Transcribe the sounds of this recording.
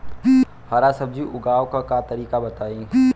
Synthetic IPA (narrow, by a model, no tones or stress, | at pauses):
haɾasɐb̚d͡ʒiʔʊɡaːʋkakat̪ɐɾiːkabɐt̪aːĩː